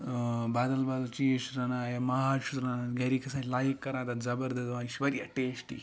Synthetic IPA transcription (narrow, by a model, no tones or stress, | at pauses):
baːd̪ɐlbaːlɐt͡ʃiʃuɾɐnaːjɐmɐɦaːʃut̪ɾanaɡɐɾikɐsaːlajikːɐɾaːd̪ɐzɐbɐɾd̪ɐd̪ʋaːiʃʋɐɾjɐʈeːsʈḭ